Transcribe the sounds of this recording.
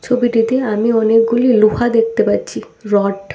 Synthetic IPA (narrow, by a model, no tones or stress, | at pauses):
t͡ɕʰobiʈit̪eamiɔnek̚ɡuliluhad̪ek̚ʰt̪epatːt͡ɕʰi | ɾɔʈ